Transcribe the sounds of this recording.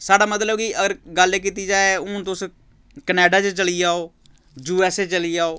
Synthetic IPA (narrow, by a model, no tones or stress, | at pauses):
saːɖaːmət̪̬ləbkiʔəɡəɾɡəleːk̬iːt̪iːd͡ʒaːeʊ̃ːt̪os | kənɛːɖaːt͡ʃt͡ʃəliːaːoː | d͡ʒuːɛːset͡ʃəliːaːoː